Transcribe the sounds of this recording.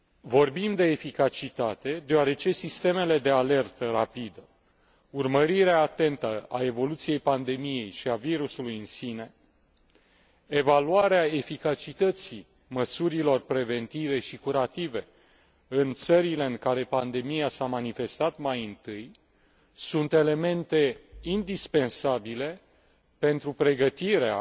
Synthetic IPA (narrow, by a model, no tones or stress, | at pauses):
vo̞rbimd̪e̞ːfikat͡ʃit̪at̪e̞d̪e̞oaɾe̞t͡ʃe̞sist̪e̞me̞le̞d̪e̞ale̞rt̪ərapid̪ə | urməɾiɾeaːt̪e̞nt̪əʔa̰e̞vo̞lut̪sije̞jpand̪e̞mije̞jʃiaviɾusulujɨnsine̞ | e̞valuaɾeae̞fikat͡ʃit̪ət̪si | məsuɾilo̞rpɾe̞ve̞nt̪ive̞ʃikuɾat̪ive̞ | ɨnt̪səɾile̞ɨŋkaɾe̞pand̪e̞mijasamanife̞st̪at̪majɨnt̪ɨj | sunt̪e̞le̞me̞nt̪e̞ind̪ispe̞nsabile̞ | pe̞nt̪ɾupɾe̞ɡət̪iɾea̰